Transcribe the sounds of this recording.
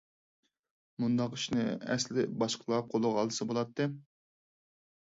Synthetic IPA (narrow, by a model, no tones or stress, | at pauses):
mund̪ɑqi̥ʃnɪɛ̰slɪbɑʃqʰlˠɑp̚qʰolˠʊʁɑlˠɨsɨbolˠɑt̪ʰːɨ